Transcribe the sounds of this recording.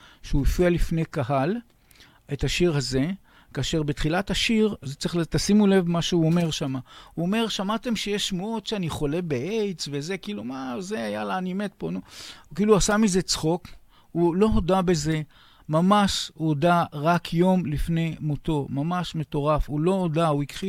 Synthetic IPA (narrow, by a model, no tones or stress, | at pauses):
ʃeuifialifnejkaɦal | ethaʃiʁhaze̞ | kaːʃe̞ʁbetχilathaʃiʁzt͡siχt̪asimule̞vmaʃeuo̞me̞ʁʃamahuome̞ʁʃamat̪e̞mʃejeʃmootʃeaniχo̞le̞beʔejt͡sveze̞kiiːlumazeajalaːnimet̪̚po̞nukiːluasamize̞t͡sχo̞k | ulo̞ɦodabe̞ze̞ | mamaʃuodaʁakʰjo̞mlifne̞jmuto̞mamaʃme̞to̞ʁafulo̞odauikχi